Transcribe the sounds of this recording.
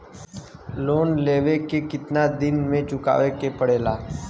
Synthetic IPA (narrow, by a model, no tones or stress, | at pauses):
loːnleːʋekekɪt̪nad̪ɪnmẽt͡ʃʊka̰ːʋekepəɽeːlaː